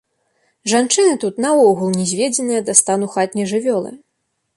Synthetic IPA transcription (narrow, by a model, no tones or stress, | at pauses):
ʐant͡ʂɨnɨt̪ut̪nɐɔɣulˠnʲɛzʲvʲed͡zʲɛnɨjɐd̪ast̪anuxat̪ʲnʲɛʐɨvʲɔlˠɐ̰